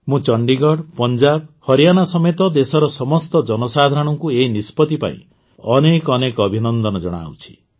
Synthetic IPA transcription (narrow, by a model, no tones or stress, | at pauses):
mũt͡ʃɔɳɖiɡɔɽpɔnd͡ʒabhɔɾijanasɔmet̪ɔd̪esɔɾɔsɔmɔst̪ɔd͡ʒɔnɔsad̪ʱaɾɔɽ̃ɔŋkueinispɔt̪ipa̰ḭ̃ | ɔnekɔnekɔbʱinɔnd̪ɔnɔd͡ʒɔɽ̃a̰wt͡ʃʰi̥